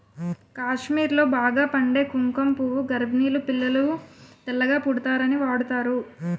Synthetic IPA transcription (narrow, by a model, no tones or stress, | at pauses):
kaːʂmiːɾlo̞ːbaːɡaːpɐɳɖe̞ːkuŋkɐmpuʋuɡɐɾbniːlupilːɐlut̪ɛlːɐɡaːpuɽut̪aːɾɐniʋaːɽut̪aːɾu